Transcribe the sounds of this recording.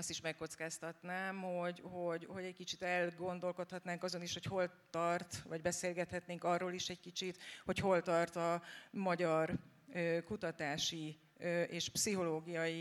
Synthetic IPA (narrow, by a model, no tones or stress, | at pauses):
ɒst̪iʃmɛkːo̞t̪skaːst̪ɒt̪naːmho̞ɟho̞ɟho̞ɟɛc̚kit͡ʃit̪ɛlɡo̞nd̪o̞lko̞t̪hɒt̪naːŋkɒzo̞niʃho̞cho̞lt̪ɒrt̪vɒɟbɛseːlɡɛt̪hɛt̪neːŋkɒrːoːliʃɛɟkit͡ʃit̪ho̞cho̞lt̪ɒrt̪ɒmɒɟɒrøːkut̪ɒt̪aːʃi | øʔeːʃpsiɦo̞loːɡijɒji